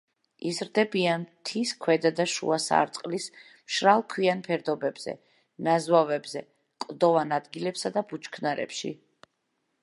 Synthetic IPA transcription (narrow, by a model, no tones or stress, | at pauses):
izɾd̪ɛbiant̪ʰiskʰwɛd̪ad̪aʃṵasa̰ɾt̪sʼqʼlis | mʃɾalˠkʰwianpʰɛɾd̪ɔbɛbz̥ɛ̰ | nazwavɛbzɛ | kʼd̪ɔvanad̪ɡilɛpsad̪abut͡ʃkʰnaɾɛ̰pʃḭ